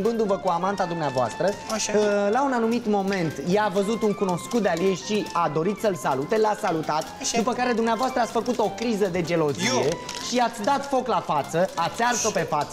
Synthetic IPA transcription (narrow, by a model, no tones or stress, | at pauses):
mbɨnd̪uvəkuamant̪ad̪umneavoa̰st̪ɾə | launanumit̪mo̞me̞nt̪jaːvəzut̪uŋkuno̞skut̪̚d̪ealjejʃiad̪o̞ɾit̪səlsalut̪elasalut̪at̪d̪upəkaɾe̞d̪umneavoast̪ɾəat̪sʲfəkut̪o̞kɾizəd̪e̞d͡ʒe̞lo̞ziije | ʃiat̪sʲd̪at̪fo̞klafat̪səat̪sʲarso̞pe̞fat̪s